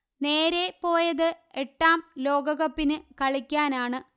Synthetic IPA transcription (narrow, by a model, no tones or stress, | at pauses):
ne̞ːɾe̞po̞ːjɐðɨeʈːaːmlo̞ːɡɐɣɐpːinɨkɐɭikʲːaːnaːɳɨ